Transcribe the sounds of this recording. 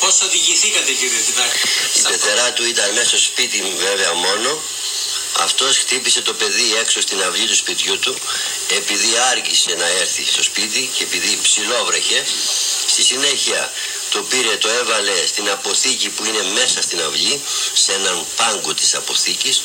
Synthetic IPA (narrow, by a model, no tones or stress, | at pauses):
posoðiʝiθikɐt̪eciðiinɐipeθe̞ɾɐt̪uit̪ɐnmest̪ospit̪imuve̞ve̞ɐmo̞no̞ | ɐ̰ft̪o̞sxt̪ipise̞t̪o̞pe̞ðie̞kso̞st̪inɐvʎit̪uspit̪çut̪u | e̞piðiɐɾcise̞nɐe̞ɾθist̪o̞spit̪̬icepiðipsilo̞vɾe̞çe̞st̪isine̞çiɐ | t̪o̞piɾe̞t̪o̞e̞vɐle̞st̪inɐpo̞θicipuine̞me̞sɐst̪inɐvʎise̞nɐmpɐŋɡot̪i̥sɐpo̞θicis